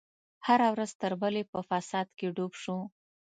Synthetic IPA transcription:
haɾawɾazt̪əɾbəlepəfasɑd̪keɖobʃu

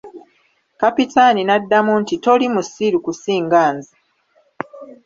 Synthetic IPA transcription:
kapitaninadːamuntito̞limusiɾukusiːŋɡaːnzi

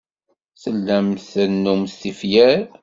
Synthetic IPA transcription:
θəlːəmθənːumst̪ifjæɾ

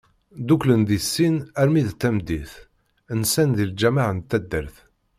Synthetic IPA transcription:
d̪uklənðisːinæɾmiðt̪ːæmd̪iθ | ənsænðild͡ʒæmaʕənt̪ːæd̪ːəɾθ

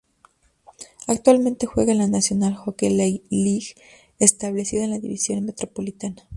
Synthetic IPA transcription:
akt̪walmẽnt̪e̞xwe̞ɣalanasjo̞nalxokelaliɣ | est̪aβle̞siðaenlaðḭβḭsjo̞nme̞t̪ɾo̞po̞lit̪ana

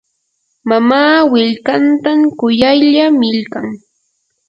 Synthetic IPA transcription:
mamaːwɪʎkant̪amkʊjajʎamɪʎkaŋ

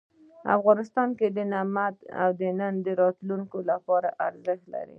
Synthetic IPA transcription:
a̰fɣɑnɪst̪ɑnked̪ənamat̪a̰wd̪ənənd̪əɾɑt̪luŋkolapɑɾaʔaɾzəxt̪la̰ɾḭ

